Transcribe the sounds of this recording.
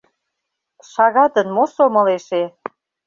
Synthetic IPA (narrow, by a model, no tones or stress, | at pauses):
ʃɑɣɑt̪ənmosomɤ̆leʃe